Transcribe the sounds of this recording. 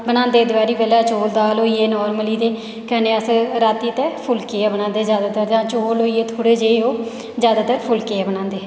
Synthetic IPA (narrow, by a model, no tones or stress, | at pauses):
bəñãːnd̪eːd̪ɪbaːɾiːbɛːlaːt͡ʃoːld̪aːlɦoːiːeːnɔːɾməliːd̪eː | kɛːneːəsɾaːt̪iːt̪eːpʰʊlkeːaːbənãːnd̪eːzjaːd̪aːt̪əɾd͡ʒãːt͡ʃoːlɦoːiːeːt̪ʰoːɽeːd͡ʒeːoː | zjaːd̪aːt̪əɾpʰʊlkeɛːbənãːnd̪eː